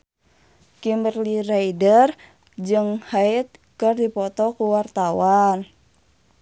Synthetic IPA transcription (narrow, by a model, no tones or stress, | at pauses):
kimbərliraidər | d͡ʒɨŋhait̪̚kɨrdipɔt̪ɔkuwart̪awan